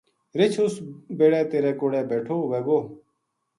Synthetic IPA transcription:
ɾɪt͡ʃʰʊsbeːɽɛːt̪eːɾɛːkoːɽɛːbɛːʈʰoːʋeːɡoː

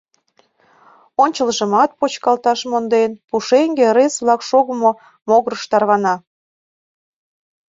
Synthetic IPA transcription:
onʲt͡ɕəlʒə̆mɑt̪̚pot͡ɕkɑlt̪ɑʃmond̪enpuʃeŋɡeɾesβlɑkʃoɣəmo | moɣɾəʃt̪ɑrβɑnɑ

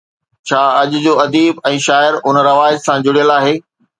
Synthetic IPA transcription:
t͡ɕʰaːɐʄʊd͡ʑoːɐd̪iːbɛ̃ːʃaːɪɾʊnɾɐʋaːɪzsãd͡ʑʊɽijəlaːɦeː

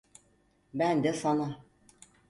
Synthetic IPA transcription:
bænd̪ɛsana

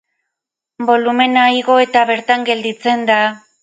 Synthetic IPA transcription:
bo̞lume̞najɣo̞e̞t̪aβe̞ɾt̪aŋɡe̞ld̪it͡se̞nd̪a

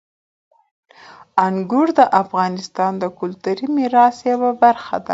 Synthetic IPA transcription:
aŋɡʊɾd̪əʔafɣɑnɪst̪ɑnd̪əkʊlt̪uɾimiɾɑsjawabaɾxa̰d̪a̰

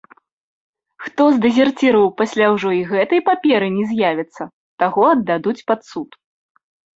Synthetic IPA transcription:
xt̪ɔzd̪ɛzʲɛrt͡sʲiɾɐwpasʲlʲawʐɔiɣɛt̪ɐjpapʲɛɾɨnʲɛzʲjavʲɛt̪sːɐ | t̪aɣɔɐd̪ːad̪ut͡sʲpat̪sut̪

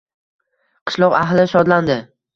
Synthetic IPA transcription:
qʰɨ̥ʃlˠɒqaɦlɪʃɒd̪land̪ɪ

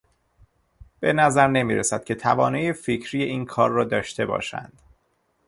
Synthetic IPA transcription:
b̥e̞næzæɾne̞miːɾesæd̪̥̚cʲʰe̞t̪ʰævɒːneːjeficʰɾijeʔiːnkʰɒːɾːɒːd̪ɒːʃt̪e̞bɒ̰ːʃæ̰nd̪̥

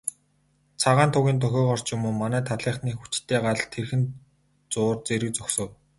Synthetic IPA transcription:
t͡sʰaʁaːnt̪ʰʊɣʲiːnt̪̬œxʲɔːχɔr̥t͡ɕjʊmuːmanæːt̪ʰaɮiːχniːxu̥t͡ɕt̪ʰːeːɢaɮt̪ʰerxɘ̆n | t͡sʊːrt͡seɾɘ̆k̚t͡sɔksɞ̆w

